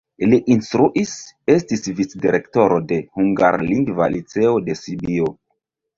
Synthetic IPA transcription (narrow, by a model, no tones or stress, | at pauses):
liʔinstɾuʔise̞stisvit͡sdiɾe̞kto̞ɾo̞de̞huŋɡa̰ɾliŋɡva̰lit͡se̞o̞de̞sibio